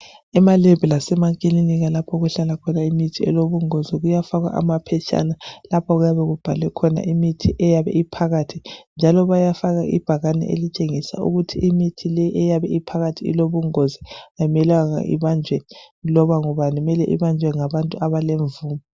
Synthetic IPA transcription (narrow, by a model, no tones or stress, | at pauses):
ɛmalɛbɛlasɛmakʼiliniɣalapʰɔɣɛɬalakʰɔnaimitʰiɛ̰loβuŋoziɣujafaɣwa̰ʔa̰mapʰɛt͡ʃʰʼa̰nalapʰɔɣujaβɛɣub̥ʱalwɛkʰɔna̰ʔimitʰiʔɛjaβɛ̰ipʰaɣatʰind͡ʒʱalɔβajafaɣaʔḭb̥ʱaɣanɛ̰ʔḛlit͡ʃʼeŋisa̰ṵɣutʰiʔimitʰilɛʔɛjaβɛipʰaɣatʰiḭloβuŋoziajimɛlaŋa̰ʔḭβand͡ʒʱwɛlɔβaŋɔβanɛmɛlɛʔḭβand͡ʒʱwɛŋaβantʼuaβaleɱvuːmɔ